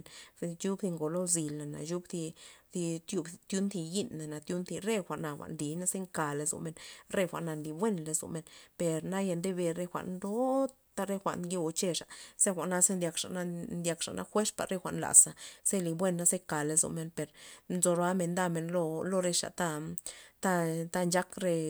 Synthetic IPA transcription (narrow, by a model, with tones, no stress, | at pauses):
n˧ju˦bd̪i˧ŋɡo˨lo˦zi˧la˨na̰˨ju˦bd̪i˧d̪i˧t̪ju˧bt̪ju˦nt̪i˧ji˦nːa˨na˨t̪ju˦nt̪i˧ɾe˦xʷa˨ʔna˧xʷa̰˨ʔnli˨na˦ze˦ŋka˨le˧zo̰˨me˧˨nɾe˧xʷa̰˨ʔna˧nli˨bwʷe˦nle˧zo̰˨me˧npe˨ɾna˦je˧nd̪e˦be˧ɾe˧xʷa̰˨ʔnd̪o˦ | t̪a˧ɾe˦xʷa̰˨ʔnɡe˧t͡ʃe˧ʂa˨z̥e˦xʷa˨ʔna˧ze˦nd̪ʲja˧kʂa̰˨na˦nd̪ja˧kʂa̰˨nʔa̰˦xʷe˦spa̰˨ɾɾe˦xʷa̰˨ʔnla̰˨sa˨˧z̥e˦li˧bwe˦˧nːa˦ze˦ka˨le˧zo̰˨me˧˨npe˨ɾnzo˧ɾa˦me˧nd̪a˧me˧˨nlo˧lo˧ɾe˧ʂa̰˨t̪a˦˧t̪a˦˧t̪a˦˧nd͡ʒa˦kɾe˧